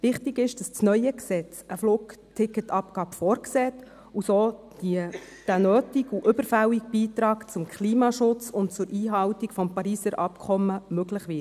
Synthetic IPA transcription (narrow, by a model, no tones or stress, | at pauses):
ʋɪχtiɡɪʃd̥ɑst͡snœʏəksɛt͡səfluːktʰɪkːətɑp̚ɡ̥ɑːbfɔːɾksɛːt | usoː | d̥iə | d̥ənøːtiɡuʔʏbəɾfæwik̚b̥iːtɾɑːkt͡sʊmkʰliːmɑʃʊt͡sʊntt͡sʊɾiːɦɑwtikfɔmpɑɾiːsəɾʔɑpkʰɔmːəmøɡləχʋɪt